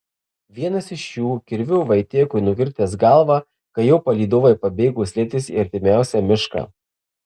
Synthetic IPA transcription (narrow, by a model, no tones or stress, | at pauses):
ʋʲiɛnɐsɪʃjuːkʲɪɾʲʋʲʊʋɐɪt̪ʲeːkʊɪnʊkʲɪɾʲt̪ʲeːsɡɐˑlˠʋɑ | kɐjɛʊpɐlʲiːd̪oʋoɪpɐbʲeːɡuːsʲlʲɛːt̪ʲɪsḭːɐɾʲt̪ʲɪmʲæˑʊsʲɛmʲɪʃkɐ̰ː